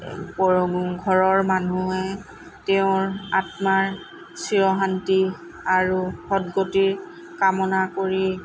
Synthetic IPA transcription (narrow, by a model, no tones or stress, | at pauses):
pɔɹoɡuŋɡʱɔɹɔɹmanuɛ | teʊ̃ɹatmaɹ | siɹɔɦanti | aɹuxɔdɡotiɹ | kamɔnakoɹi